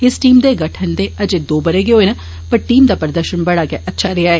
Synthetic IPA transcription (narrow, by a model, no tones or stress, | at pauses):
ɪsʈiːmd̪eːɡəʈʰənd̪eːəd͡ʒeːd̪oːbəɾeːɡeoːeːna | pəɾʈiːmd̪aːpəɾəd̪əɾʃənbəɽaːɡɛːʔətːʃʰaːɾɪaːɛeː